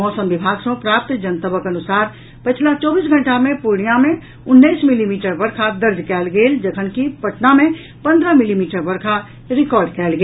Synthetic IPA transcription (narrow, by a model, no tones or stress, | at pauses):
mɔːsəmbɪbʱaːɡsõpɾaːp̚t̪d͡ʒənt̪əbəkɐnʊsaːɾ | pət͡ʃʰlat͡ʃɔːbiːs̬ɡʱə̃ɳʈamẽpʊɾɳijamẽ | ʊnːəɪsmɪlimiːʈəɾbəɾkʰad̪əɾd͡ʒ̪kɛːlɡeːld͡ʒəkʰənkipɐʈnamẽ | pə̃nd̪ɾəmɪlimiːʈəɾbəɾkʰa | ɾɪkɔːɾɖkɛːlɡeː